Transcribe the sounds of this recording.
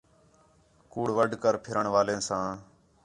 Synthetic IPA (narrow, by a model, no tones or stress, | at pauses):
kuːɽʋəɖʱkəɾpʰɪɾəɳʋaːlẽːsãː